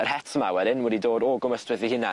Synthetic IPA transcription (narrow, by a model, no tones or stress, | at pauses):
ərhɛtʰəma̰wɛdɪnwɛdidoːdɔɡʊməstwɪðihɪna